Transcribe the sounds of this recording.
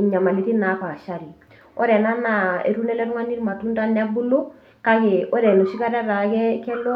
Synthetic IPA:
ɲa˨ma˨li˦ti˦na˨˦ka˨ʃa˦ɾi˨ | ɔ˦ɾɛ˨na˦na˨ḛ˨ɾu˦nɛ˦lɛ˦ɾu˦ŋa˦ni˦ɾma˨tu˦nta˦nɛ˦bu˦lo˦ | ka˦ke˨ɔ˦ɾɛ˨no˨ʃi˦ka˦ɾa˦ɾa˨kɛ˦kɛ˦lɔ˦

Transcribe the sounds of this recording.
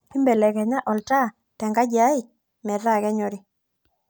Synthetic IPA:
i˦mbɛ˨lɛ˨kɛ˨ɲa˦ʔɔ˨lta˦ | tɛ˨ŋɡa˦d͡ʒa˨˦i˨ | mɛ˨ɾa˦˨kɛ˦ɲɔ˨ɾi˨

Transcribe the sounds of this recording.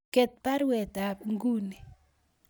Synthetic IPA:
ke˨t̪̚pa˦ɾwɛ˨ta˨ŋɡu˦ni˨

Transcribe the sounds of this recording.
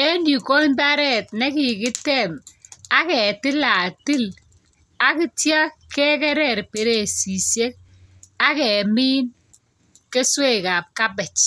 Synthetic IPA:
e˦ndi˨ko˦nta˦ɾɛ˦t̚nɛ˦ki˨kɪ˦tɛ˦˨ma˦kɛ˨tɪ˦la˨tɪ˦l | a˦ki˦tja˦kɛ˦kɛ˦ɾɛ˨ɾpe˨ɾe˨si˨sje˦k̚ | a˦kɛ˨miː˦n | ke˦swe˦ka˨p̚ka˦b̬ɛ˨t͡ʃ

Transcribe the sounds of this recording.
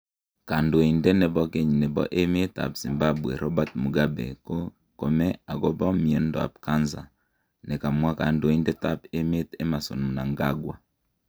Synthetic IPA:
ka˨ndo˨i˨ndɛ˦ne˨bɔ˦ke˦ɲne˨bɔ̰˦ʔe˦me˦ta̰˨pz̥i˨mba˦bwɛ̰˨ɾɔ˦ba˦˨t̚mu˨ɡa˦bḛ˨ko˦ | ko˨mɛ˦a˨ɡɔ˦bɔ˦mi˨e˦ndɔ˨a̰˨p̚ka˦nza̰˨ | ne˨ka˨mwa˦ka˨ndo˦i˦ndɛ˦ta˦pe˦me˦te˦ma˨so̰˨n˨na˨ŋɡa˦ɡwa̰˨

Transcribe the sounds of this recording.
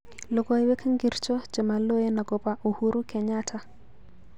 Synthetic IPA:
lo˨ɡɔ˦jwɛ˦ka˦ŋɡi˨ɾt͡ʃɔ˦d͡ʒe˨ma˨lo˦je˦na˨ɡɔ˨pa˨ʔu˨hu˦ɾu˦kɛ˨ɲatʰa˦

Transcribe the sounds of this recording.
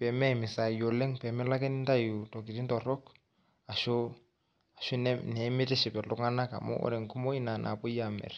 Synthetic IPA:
pɛ˨mɛ˦˨mɪ˨sa˨jo˨lɛ˦ŋpɛ˨mɛ˦la˦kɛ˦nɪ˦nta˦ju˨tɔ˨k̬i˨ɾi˦n˦tɔ˨ɾɔ˦k | a˨ʃɔ˦ | a˨ʃu˦nɛnɛ˨˦mɪ˦tɛ˦ʃɪ˨pɛ˨lʊ˦ŋa˦na˦ka̰˨mɔ̰˦ʔɔ̰˦ɾɛ˨ŋ̩˨ku˦mɔ˦i˦na˨nʔa̰˨pʊ˦ja˨mɛ̰˨r

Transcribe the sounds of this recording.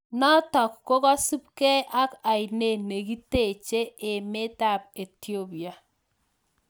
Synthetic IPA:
na˦tɔ˨kko˦ka˦su˦p̚kɛ˦ʔa˦ka˨jne˦˨ne˨ki˦te˦˨t͡ʃe˦e˨me˦ta˦˨p̚e˨ti˦o˦bi˨a˨

